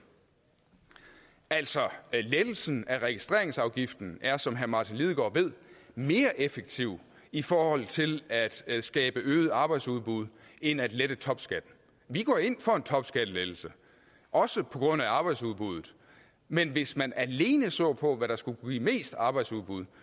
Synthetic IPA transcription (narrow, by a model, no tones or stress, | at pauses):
æl̰sɒ̽led̥l̩sn̩æʁɛɡ̥isd̥ʁe̝ɐe̝ŋsɑ̈ʊɡ̥ifd̥n̩æɐsɒ̽mɦæɐmɑ̈t͡sʰinlið̞ˠɡ̥ɒ̰ːʋe̝ð̞̰ˠme̝ːɐʔefəɡ̥̚t͡sʰiʊ̰ | ifɒːhɒ̽l̰t͡sʰe̝læd̥sɡ̥ɛːb̥əʔøːð̩ˠɑ̈ːb̥ɑ̈ɪ̥suðˠb̥uð̞ˠenæd̥led̥ət͡sʰɒ̽b̥sɡ̥æd̥ | ʋiɡ̥ɒ̰ːe̝n̰fɒ̽e̝nt͡sʰɒ̽b̥sɡ̥æd̥əled̥l̩sə | ʔɒ̽səpʰɒ̽ɡ̥ʁɔ̽n̰æɑ̈ːb̥ɑ̈ɪd̥suðˠb̥uð̞̰ˠð̩ˠ | menʋe̝smænʔæle̝ːnəsɔ̰ːpʰɒ̽ʋæɾɑ̈sɡ̥uɡ̥ḭme̝̰ːsd̥ɑ̈ːb̥ɑ̈ɪd̥suðˠb̥uð̞̰ˠ